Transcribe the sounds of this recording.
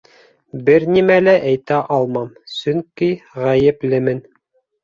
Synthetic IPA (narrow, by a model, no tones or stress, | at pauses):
bɘɾnimælæʔæjt̪æʔɑlˠmɑm | sɵ̆ŋkiʁæjɘplɘmɘn